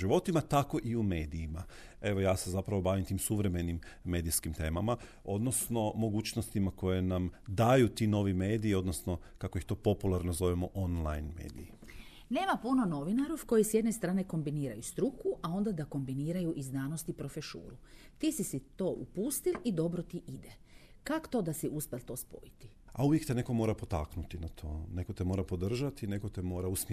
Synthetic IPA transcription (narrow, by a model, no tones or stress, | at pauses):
ʒiʋo̞t̪imat̪ako̞ʔiume̞ːd̪ijima | e̞ʋo̞jaːse̞zapɾaʋo̞baːʋimt̪iːmsuʋɾe̞me̞nimːe̞ːd̪iskimt̪e̞ːmama | o̞d̪no̞sno̞mo̞ɡuːt͡ɕnost̪imako̞je̞namd̪aːjut̪ino̞ʋimeːd̪iio̞d̪nosno̞ | kako̞jixt̪o̞ːpo̞pulˠaɾnozo̞ʋimoʔonlˠa̰jnmḛːd̪ḭi | ne̞ːmapuno̞no̞ʋinaɾofko̞jisje̞d̪ne̞st̪ɾaːne̞ko̞mbiniːɾajust̪ɾukʰuʔao̞nd̪ad̪ako̞mbiniːɾajuʔiznaːnost̪ipɾo̞feʃṵːɾut̪iːsisit̪o̞ːʔṵpuːst̪ilid̪o̞bɾot̪iʔid̪e | kako̥t̪o̞ːd̪asiʔuspʲelˠt̪o̞ːspo̞̰jit̪i̥ | auʋjekt̪ene̞ko̞mo̞ɾapot̪a̰knut̪inat̪ʰo̞ne̞kot̪emoɾapo̞d̪r̩ʒat̪ine̞kot̪emo̞ːɾausm